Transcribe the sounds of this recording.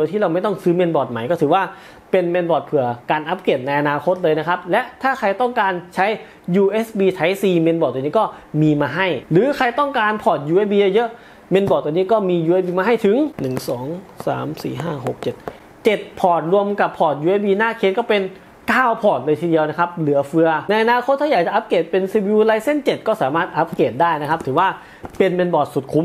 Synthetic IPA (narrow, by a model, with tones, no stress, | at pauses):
t̪ʰiː˥˩ɾa˧wma˥˩jt̪ɔ˥˩ŋsɯː˦˥me˧nbɔː˨˩t̪̚ma˨˩˦jkɔː˥˩t̪ʰɯː˨˩˦waː˥˩ | pe˧nme˧nbɔː˨˩t̪̚pʰɯ˨˩ɐkaː˧nʔa˦˥p̚ke˨˩t̪̚na˧jʔa˧naː˧kʰo˧˦˥t̪̚lɤː˧jna˦˥kʰa˦˥p̚lɛ˦˥ʔt̪ʰaː˥˩kʰa˧jt̪ɔ˥˩ŋkaː˧nt͡ɕʰa˦˥j | juː˧ʔeː˦˥sbiː˧t̪ʰa˨˦˥jsiː˧me˧nbɔː˨˩t̪̚ːniː˦˥kɔː˥˩miː˧maː˧ɦa˥˩jlɯː˨˦kʰa˧jt̪ɔ˥˩ŋkaː˧npʰɔː˨˩t̪̚juː˧ʔe˦˥biː˧ja˧˩jɤ˦˥ʔ | me˧nbɔː˨˩t̪̚ːniː˦˥˩kɔː˥˩miː˧juː˧ʔe˦˥p̚biː˧maː˧ɦa˥˩jt̪ʰɯ˨˩˦ŋnɯ˨˩ŋsɔː˩˦ŋsa̰ː˩˦msḭː˨˩ɦaː˥˩ɦo˨˩k̚t͡ɕe˨˩t̪̚ | t͡ɕe˨˩t̪̚pʰɔː˨˩t̪̚ɾu˧əmka˨˩pʰːɔː˨˩t̪̚juː˧ʔeː˦˥biː˧naː˥˩kʰeː˧˥t̪̚kɔː˥˩pe˧n | kaː˥˩wpʰɔː˨˩t̪̚dɤː˧t̪ʰi˧di˧əna˦˥kʰa˦˥p̚lɯ˩˦ɐfɯ˧ɐna˧jʔa˧naː˧kʰo˦˥t̪ʰːa˥˩aː˨˩k̚t͡ɕa˨˩ʔa˦˥p̚keː˨˩t̪̚pe˧nsiː˧wiː˧laː˧jse˥˩nt͡ɕe˨˩t̪̚kɔː˥˩saː˩˦maː˥˩t̪̚ʔa˦˥p̚keː˨˩t̪̚daː˥˩jna˦˥kʰa˦˥p̚t̪ʰɯː˩˦waː˥˩ | pe˧nme˧nbɔː˨˩t̪̚su˨˩t̪̚kʰu˧˦m